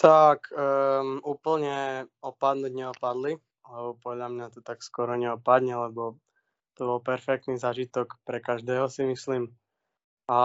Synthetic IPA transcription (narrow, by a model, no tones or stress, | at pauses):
t̪ak | uːpl̩ɲɛɔpad̪nuɟɲɛɔpad̪li | lɛbɔpɔd̪ʎamɲat̪ɔt̪akskʊɔɾɔɲɛɔpad̪ɲɛlɛbɔ | t̪ɔbɔlpɛɾfɛk̚t̪niːzaːʒit̪ɔkpɾɛkaʒd̪ɛːɦɔsimisliːm | a